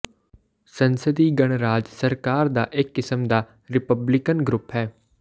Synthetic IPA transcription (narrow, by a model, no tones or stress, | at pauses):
sənsəd̪iːɡəɽ̃ɾaːd͡ʒsəɾkaːɾd̪a̰ːʔɪkːɪsəmd̪aː | ɾɪpəblɪkənɡɾʊpɦɛː